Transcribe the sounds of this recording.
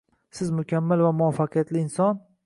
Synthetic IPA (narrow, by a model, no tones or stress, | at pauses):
sɪzmʊkʲʰamːɪlvamʊafːaqʰɨjat̪lɪɪnsɒn